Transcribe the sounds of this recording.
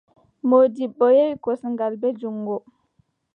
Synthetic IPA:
modiɓːɔjewikɔsŋɡalbɛd͡ʒuŋɡɔ

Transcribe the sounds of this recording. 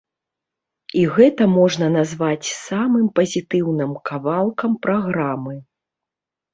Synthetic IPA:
iɣɛt̪ɐmɔʐnɐnazvat͡sʲsamɨmpɐzʲit̪ɨwnɨmkavalˠkɐmpɾʔaɣɾamɨ

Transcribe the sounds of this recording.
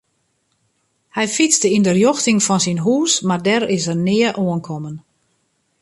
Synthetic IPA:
hɛjfit͡sdəindərjoxtɪŋfɔnsinɦuːsmardɛɾɪsərnɪəʔoənkʰɔmən

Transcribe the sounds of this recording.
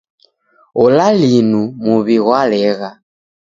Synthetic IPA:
ɔlalinumuβiɣwalɛɣa

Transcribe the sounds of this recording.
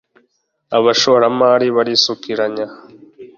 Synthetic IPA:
aβaʃoɾamaːɾiβaɾisukiɾaɲa

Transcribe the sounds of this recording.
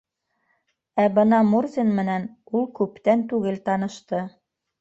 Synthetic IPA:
æbɤnɑmurzʲinmɘ̆nænulˠkʉpt̪ænt̪ʉɡɘlt̪ɑnɤ̆ʃt̪ɤ

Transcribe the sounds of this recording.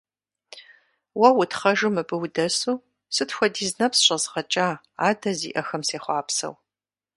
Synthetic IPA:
wɐwʊtχɐʒumɨbɨwdɐsuː | sɨtxʷɔdiːznɐpsɕʼɐzʁɐt͡ʃʼaː | aːdɐzḭːʔɐxɐmseːχʷɑːpsɐ̰w

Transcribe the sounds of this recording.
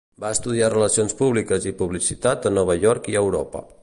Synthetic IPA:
baəst̪uð̞iarələsionspuβlikəzipuβlisit̪at̪ənɔβ̞əʎɔɾkiəwɾɔpə̰

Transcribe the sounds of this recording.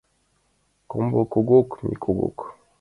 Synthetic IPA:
kombokoɡokmḭkʰoɡo̰k

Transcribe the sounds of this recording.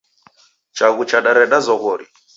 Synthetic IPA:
t͡ʃaɣut͡ʃaɗaɾɛɗazɔɣɔɾi

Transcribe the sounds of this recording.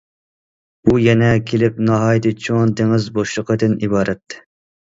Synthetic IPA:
bujɛnɛkʲʰelɪp̚nɑɦɑːjt̪ʰɪt͡ʃʰont̪ɪŋɪzboʃlˠəqəd̪ɨnibɑːɾɛt̪ːɪ̥

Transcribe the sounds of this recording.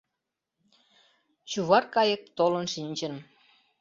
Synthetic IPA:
t͡ɕuβɑrkɑjə̆k̚t̪olənʃinʲt͡ɕən

